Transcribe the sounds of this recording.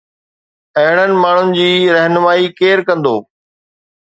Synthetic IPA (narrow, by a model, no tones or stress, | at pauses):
ɐɦɪɽ̤̃ənɪ̆maːɳ̤ʊnɪ̆d͡ʑiːɾɐɦnʊmaːikeːɾkɐ̃nd̪oː